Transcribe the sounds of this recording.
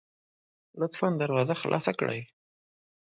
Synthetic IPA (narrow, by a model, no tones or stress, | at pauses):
lʊt̪fand̪aɾwɑzaxlʔɑ̰sakɽə̰j